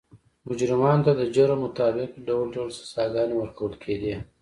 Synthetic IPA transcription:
mʊd͡ʒɾɪmɑnt̪ad̪əd͡ʒaɾamʊt̪ɑːbɪqɖawlɖalsḁsɑɡɑnewəɾkawəlkʰed̪i

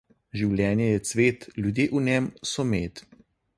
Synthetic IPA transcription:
ʒiwljɛːnjɛjɛsʋeːt̪lʲjud̪jeːʔunɛmsɔmeːt̪

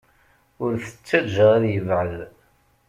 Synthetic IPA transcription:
ʊɾθə̥t͡sːæd͡ʒəʁaðjəvʕəð

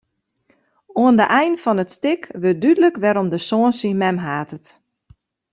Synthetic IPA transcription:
oəndəʔɛjnfɔnətstɪkʋøt̚dydələkʋɛɾomdəsoənsəmɛmɦaːtət

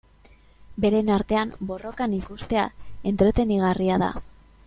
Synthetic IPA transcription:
be̞ɾe̞naɾt̪e̞ambo̞ro̞kanikust̪e̞a̰e̞nt̪ɾe̞t̪e̞niɣ̞ariaða̰

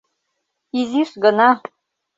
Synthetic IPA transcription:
iziʂɡɤ̆nɑ

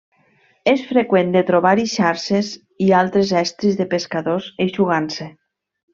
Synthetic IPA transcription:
esfɾekwend̪et̪ɾoβaɾiʃaɾʃez | ialˠt̪ɾezɛst̪ɾizðepeskaðozeʃuɣ̞anse

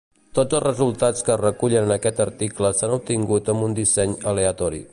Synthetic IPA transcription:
t̪od͡zəlˠzrəzulˠt̪at͡skərəkuʎənənəkɛt̪əɾt̪ikləsanup̚t̪iŋɡut̪əmbund̪isɛɲəleət̪ɔɾḭ

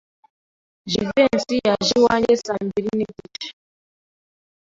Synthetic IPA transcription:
ʒivensijaʒiwaɲesaːmbiɾiniditḁ

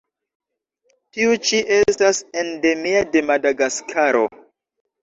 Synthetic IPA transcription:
tiut͡ʃiʔe̞stasende̞miade̞madaɡaskʰaɾo̞̰

